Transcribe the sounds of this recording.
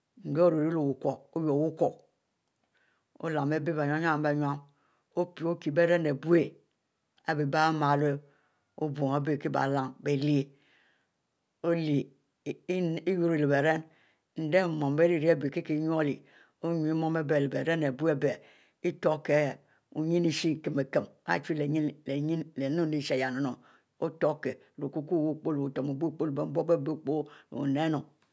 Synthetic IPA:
n̩˨be˦o˦˨ɾo˨ɾi˦lo˨wu˨ko˨o˦jo˨wu˦ko˨ | o̰˦la˨mbe˦be˦ba˨ɲo˦ɲ˦a˦˨m˦be˨ɲ˦a˦m | o˦pi˨o˦ki˨be˦ɾe˦ne˨bu˦e˦ | a˨be˨ba˦ma˨le˦ | o˦bo˨ŋa˨be˦˨ke˦ba̰˨la˦ŋbe˨li˦e˦ | o˦li˨˦ | i˦ju˦ɾi˨le˨be˨ɾe˦n | n̩˦de˦m˨mo˨m˨be˦ɾi˦ɾi˦e˦bi˨ki˦ki˦ɲ˦o˦li˨ | o˦ɲu˨˦i˦mo˦me˦be˨le˨be˨ɾe˦ne˨bu˦e˦be˨ | i˦to˦kːe˨ | u˨ɲi˦ni˦ʃi˦ki˨me˨ke˨ma̰˦˨t͡ʃi˦le˨i˦le˨ɲi˦nle˨˦o˦i˦ʃe˨ja˨no˨no˨ | o˦to˦kːe˨lo˨ku˦ku˦˨wo˦k͡po˦lu˨o˨to˨mo˨bu˦k͡po˦lu˨be˨˦m̩˦bo˦be˦be˦k͡po˦lo̰˨ne˦no˨

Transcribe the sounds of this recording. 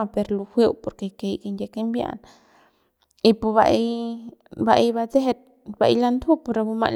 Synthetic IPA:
pe˧ɾlu˧hʷe˧wpo˧ɾke˧ke˧jɡe˧nd͡ʒʲe˧ke˧mbja̰˧n | i˧pu˧ba̰˧j | ba˧jba˧d͡ze˦d̪̚ | ba̰˧jla˧nd̪u˦pu˧ɾa˧bu˧ma̰˧

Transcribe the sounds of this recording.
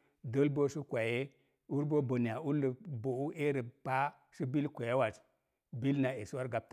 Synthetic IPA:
də˦lbo˦si˦kʷa˨je˦ | u˦ɾbo˦bo˨ni˨a˨u˦lːə˨bo˨u˦ʔe˦ɾi˨pa˦ | si˦bi˦lkʷe˨je˦wa˨d͡ʒ | bi˦lna˨e˨su˦wa˦ɾɡa˨b̚t

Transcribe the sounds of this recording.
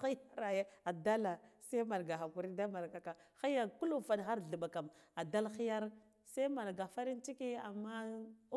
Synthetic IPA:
i˦ja˦ɾa˨ja˦a˨da˦la˨sa˦ma˨lɡa˨xa˨ku˨ɾi˦da˦ma˨ɾka˨ka˨xi˦ja˨ku˦lu˦fa˨ɗxa˦ɾɮə˨ɓa˨ka˨ma˨da˦lxi˦ja˦ɾ | sa˦ma˨lɡa˨fa˦ɾi˦nt͡ʃi˦ki˦a̰˨mːa˦

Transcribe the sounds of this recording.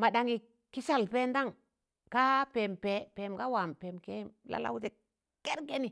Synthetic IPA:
ma˨ɗa˨ŋi˨ | ki˦sa˦˨lpe˦nda˦ŋ | ka˦pe˨mpe˨pe˨mka˦wa˨mpe˨mke˦mla̰˦la̰˦wte˨ | ke˦ɾke˦ni˨

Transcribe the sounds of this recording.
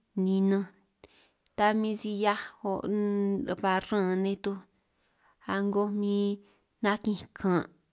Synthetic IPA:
nĩ˧nə̃˧ | t̪a˦mĩ˦˧si˧ja˦ho˧ | βa˧ɾə̃˦˧˨nẽ˧t̪u˦˧ | a˧ŋɡo˦mĩ˦ | nã˦kĩ˧kʰã˨

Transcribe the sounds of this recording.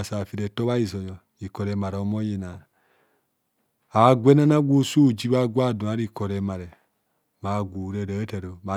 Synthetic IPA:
a˨sa˨fi˨ɾe˨to˦βa˦i˦˨zɔ˨jɔ˨ | i˨ko˨ɾe˨˦ma˨ɾo˨˦mo˦je˨na˨ | a˨˦ɡʷe˦na˦na˦ɡʷu˦˨su˦˨d͡ʒi˦βa˦ɡʷa˦˨du˨a˨˦ɾi˦˨ko˨ɾe˨ma˨ɾe˨ | ma˨ɡʷu˨˦ɾe˦˨ɾe˨˦te˨ɾo˨ba˨

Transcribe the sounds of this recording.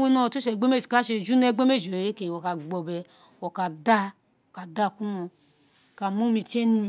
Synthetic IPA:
wi˦nɔ̃˦˧to˦ʃɛ˧˨ɡ͡be˦me˦˨d͡ʒka˦ʃe˧d͡ʒu˦n˦ɛ˦˧˨ɡ͡be˦me˦˨d͡ʒo˨e˦ke˨wɔ˨ka˧ɡ͡bɔ˧bɛ˧ | wɔ˨ka˧da˦ | ɔ˨ka˨da˦˨ku˦nɔ̃˧˨ | ka˧mo˦mĩ˧t͡ʃe˦nĩ˧

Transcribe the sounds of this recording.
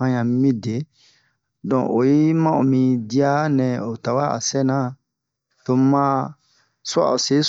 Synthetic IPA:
ã˦jã˨mĩ˦mĩ˦de˨˦ | dɔ̃˨o˨je˦mã˦o˨mĩ˨di˦a˦nɛ̃˨o˨ta˨wa˦a̰˨sɛ˦nã˦ | to˨˦mã˦ | swa̰˨o˨se˦

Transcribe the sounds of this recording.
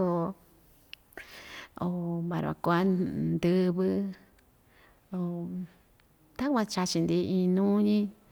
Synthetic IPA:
o˧ | o˨βa˨ɾβa̰˨ko˧a˦nd̪ɨ˧βɨ˧ | o˧˨ | t̪a˦kʷã˧t͡ʃa˧t͡ʃi˧nd̪i˧ĩ˧nũː˦ɲĩ˦

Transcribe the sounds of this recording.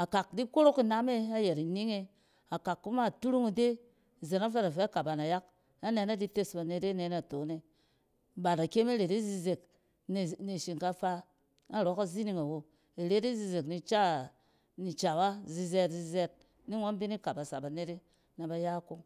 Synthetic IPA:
a˨ka˨k̚di˦ko˦ɾo˦ki˦na˦me˦a˦je˨ɾi˨ni˦ŋe˦ | a˨ka˨kːu˦ma˦˨tu˦ɾu˦ŋu˨de˦˨ | ze˨na˦fa˦ɾa˨fe˦a˦ka˨ba˨na˨ja˦k̚ | a˦ne˧˦na˦di˦te˦sba˨ne˧de˦ne˨˦n˦a˦˨to˨˦ne˦˨ | ba˨da˨ke˦me˦ɾe˨de˦zi˧ze˨k | n˨ne˨ʃi˨ŋka˦fa˦ | na˦ɾo˨˦ka˦zi˦ni˨ŋa˨wo˨ | e˨ɾe˦de˦zi˧ze˨kni˨˧t͡ʃa˦ | ni˨t͡ʃa˨wa˦zi˧ze˦tzi˧ze˦t̚ | ni˦ŋo˦n˦bi˦ni˦ka˨ba˨sa˨ba˨ne˦ɾe˦ | na˨ba˨ja˦ko˦

